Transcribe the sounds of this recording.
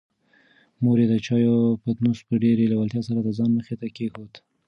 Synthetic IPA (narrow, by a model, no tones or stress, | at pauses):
moɾed̪ət͡ʃɑjopət̪nuspəɖeɾelawalt̪jɑsaɾad̪əzɑnməxet̪akexot̪